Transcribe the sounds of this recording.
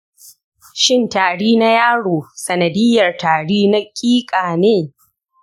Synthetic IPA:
ʃɪ˦˨ntaː˨ɽiː˦na˦jaː˦ɽoː˨sɐ˨nɐ˨dɪ˦jːɐ˨rtaː˨ɽiː˦na˦kʲʼiː˦kʼaː˨neː˦

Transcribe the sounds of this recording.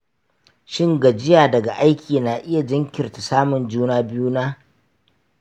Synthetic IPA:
ʃɪ˦ŋɡa˨d͡ʒɪ˦jaː˨dɐ˨ɡa˨ʔa˦jkʲʰiː˨na˨ʔɪ˦ja˨d͡ʒɪ˦ŋkʲɪ˨rta˨saː˦mʊ˨nd͡ʒuː˦naː˦bɪ˦juː˦naː˦

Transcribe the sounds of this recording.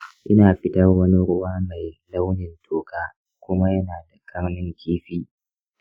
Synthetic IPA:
ʔɪ˦naː˨ɸɪ˦tɐ˦rwɐ˦ni˦ɾʊ˦waː˦ma˨jla˦wnɪ˨ntʰoː˨kaː˦ | kʷʊ˦ma˦jɐ˦naː˨da˨kʰɐ˦ɾnɪ˦ŋkʲiː˦ɸiː˦

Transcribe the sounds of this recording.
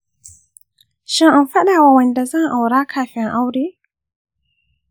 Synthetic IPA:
ʃɪ˦ŋʔa˨mfa˦ɗaː˨wa˨wɐ˨nda˨zɐ˦ŋʔa˨wɾaː˦kʰaː˨ɸɪ˦ŋʔa˦wɾeː˦

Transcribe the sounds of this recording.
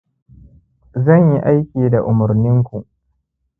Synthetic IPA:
zɐ˦˨ɲji˦ʔa˦jkʲiː˨da˨ʔʊ˨mʊ˨ɾnɪ˦ŋkʷu˨ʔ

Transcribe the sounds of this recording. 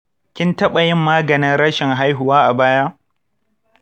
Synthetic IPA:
kʲɪ˦ntɐ˦ɓɐ˨jɪ˦mːaː˦ɡɐ˨nɪ˦nɽɐ˦ʃɪ˨ŋɦa˦jɦʊ˨waː˦ʔa˨baː˦jaː˦

